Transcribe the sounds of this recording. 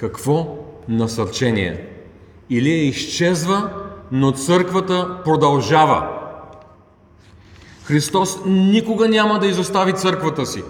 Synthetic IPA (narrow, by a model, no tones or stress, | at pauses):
kɐkv̥ɔnɐsɐɾt͡ʃɛnḭɛ̰ | iliɛiʃt͡ʃɛzvənot̪sɤɾkvət̪əpɾod̪ɐlˠʒavə̰ | xɾist̪ɔsnikʊɡənʲaməd̪ɐizost̪avit̪sɤɾkvət̪əsi